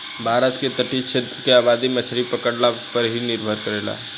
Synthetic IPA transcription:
bʱaːɾət̪ket̪əʈit͡ʃʰet̪ɾəkeaːbaːd̪imət͡ʃʰɾipəkəɽlapəɾɦinɪɾbʱəɾkəɾeːla̰

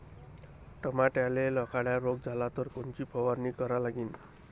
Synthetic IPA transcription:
ʈɔmaʈjalelɔkaɽjaɾoɡd͡zʱalat̪ʌɾkont͡ɕipʰɔʋaɾnikʌɾalaɡiːn

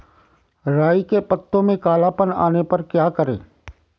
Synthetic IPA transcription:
ɾaːikepət̪ːõmẽkaːlapəna̰ːnepɐɾkjaːkəɾḛ̃ː

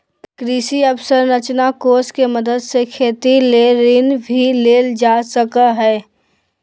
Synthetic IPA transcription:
pkɾiːsiəbsəɾnət͡ʃnakoːskeməd̪əd̪sekʰeːt̪ileːɾɪnbʱileːld͡ʒaːsəkəɦɛː

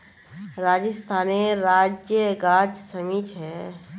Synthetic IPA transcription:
ɾaːd͡ʒəst̪ʰaːneɾaːd͡ʒjəɡaːd͡ʒsəmiːt͡ʃʰɦɛː

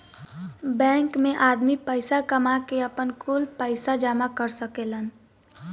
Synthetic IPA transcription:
bɛ̃ːŋkmẽʔaːd̪mipəɪsakəmakeəpənkʰulpəɪsad͡ʒaːmakəɾsəkelən

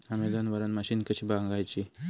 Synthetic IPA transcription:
ameɡ̪anʋəɾanmaɕinkəɕibaŋɡajt͡ɕi

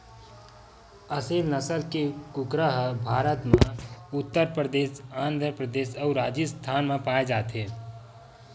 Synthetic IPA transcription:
əseːlnəsəlkekʊkɾəɦbʱaːɾət̪mãʊt̪ːəɾpɾəd̪eːsãːnd̪ʱɾəpɾəd̪eːʃɔːɾaːd͡ʒist̪ʰaːnmẽpaːed͡ʒaːt̪ɦeː

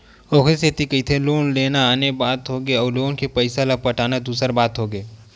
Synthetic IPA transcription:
oːkʰeset̪ikəit̪ʰeloːnleːnaaːnebaːt̪ɦoɡeɔːɾloːɡõnkepəɪsalapɐʈaːnad̪uːsəɾbaːt̪ɦoːɡeː

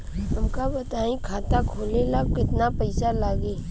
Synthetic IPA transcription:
ɦɐmkabɐt̪aːĩkʰaːt̪akʰoːlelakɪt̪napɐɪsalaːɡeː

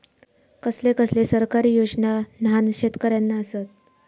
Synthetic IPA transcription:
kəslekəslesəɾkaɾiːjod͡znananɕet̪kəɾjanːaəsət̪

